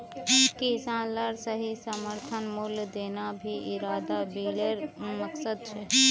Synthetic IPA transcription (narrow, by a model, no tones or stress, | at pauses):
kisãːnlaɾsəɦisəməɾt̪ʰənmʊld̪eːnabʱiʔɪɾaːd̪abiːleɾməksəd̪̚t͡ʃʰɛ